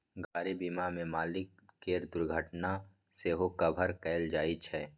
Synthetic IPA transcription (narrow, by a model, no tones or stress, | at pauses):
ɡaːɾibiːmamẽmaːlɪk̚ː | eːɾd̪ʊɾɡʱəʈna | seɦokɐbʱəɾkɛːɪld͡ʒaːit͡ʃʰɛː